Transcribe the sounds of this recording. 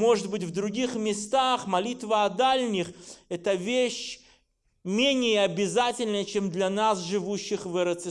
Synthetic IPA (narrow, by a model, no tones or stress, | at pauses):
mo̞ʐɨt̪̚bɨtʲvd̪ɾʊɡʲixmʲɪst̪axmɐlʲit̪vəɐd̪alʲnʲɪxɛt̪əvʲeɕ | mʲenʲɪjəɐbʲɪzatʲɪlʲnəjət͡ɕemd̪lʲɐnasʐɨvuɕːɪxvɨɾət̪sɨ